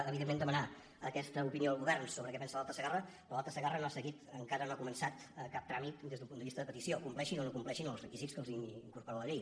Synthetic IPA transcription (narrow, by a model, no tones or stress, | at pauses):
əβiðemːend̪əməna | ə̰kɛst̪əupinioəlˠɣuβɛrnsoβɾəkɛpɛnsəlalˠt̪əsəɣarə | ɔlalˠt̪əsəɣarənoasəɣit̪əŋkaɾənoakumənsat̪əkap̚t̪ɾamit̪d̪ezðumpunəβist̪əðəpət̪isiokumplɛʃinonokumplɛʃinəlˠzrəkizitskəlˠziiŋkuɾpuɾaləʎej